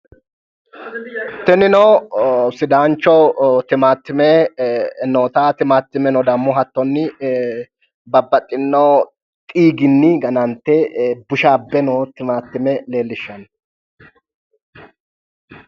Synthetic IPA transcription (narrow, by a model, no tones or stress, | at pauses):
t̪ɛnɪnɔwsɪd̪aːnt͡ʃːɔt̪ɪmaːt̪ːɪmɛ | noːt̪aːt̪ɪmaːt̪ːɪmɛnɔd̪ɐmːʊɦɐt̪ːɔnːɪ | bɐbːɐt̪ʼːɪnːoː | t̪ʼiːɡɪnːɪɡɐnɐnt̪ːɛbʊʃaːbːɛnot̪ɪmaːt̪ːɪmɛle̞ːlːɪʃːɐn